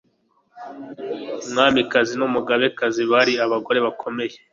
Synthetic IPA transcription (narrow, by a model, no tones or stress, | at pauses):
umŋaːmikazinumuɡaβe̞kaziβaɾiaβaɡo̞ɾe̞βakʰo̞me̞je̞